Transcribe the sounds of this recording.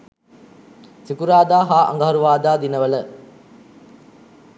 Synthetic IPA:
sikuɾaːd̪aːɦaːʔɐ̰ŋɡɐɦɐɾuʋaːd̪aːd̪inəʋələ

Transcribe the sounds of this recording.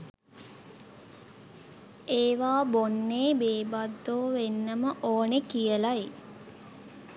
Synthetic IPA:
eːʋaːbonːeːbeːbad̪ːoːʋenːəməʔoːnekijəlai

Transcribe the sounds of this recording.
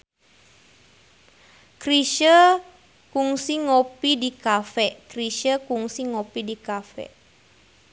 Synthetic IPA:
kriʃə | kuŋsiŋopidikafɛʔkriʃəkuŋsiŋopidikafɛ̰ʔ

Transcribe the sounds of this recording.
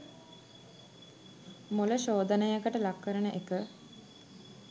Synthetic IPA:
moləɕoːd̪ənəjəkəʈəlakːəɾənəʔekə

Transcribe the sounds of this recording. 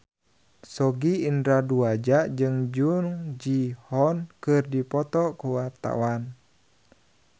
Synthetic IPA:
sɔɡiːndɾaduad͡ʒaʔd͡ʒɨŋd͡ʒuŋd͡ʒihɔnkɨrdipɔt̪ɔkuwart̪a̰wan

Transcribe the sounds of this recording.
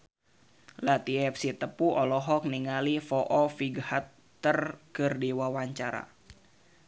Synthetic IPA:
lat̪iɛfsit̪əpuʔɔlɔɦɔk̚niŋalifɔʔɔfiɡhat̪ː | ərkɨrdiwawaɲt͡ʃaɾa̰

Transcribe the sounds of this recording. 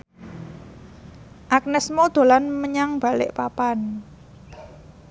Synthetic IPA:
ʔak̚nəsmod̪̥o̤lanməɲaŋb̥a̤lɪ̰ʔpapan

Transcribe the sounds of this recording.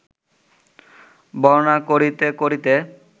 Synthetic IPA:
bɔɾnakoɾit̪ekoɾit̪e

